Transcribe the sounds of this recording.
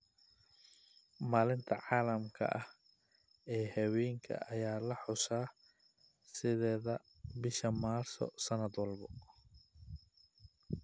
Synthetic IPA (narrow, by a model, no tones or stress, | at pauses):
maːlɪnt̪ʰɐʕɑːlɐmkʰɐ̰ʔɐh | ɛːhɐwɛːŋkʰɐ̰ʔɐjaːlɐħʊsaː | sɪðɛːðɐ | bɪʃɐmaːrsɔ̰sɐnɐd̪wɑlbɔ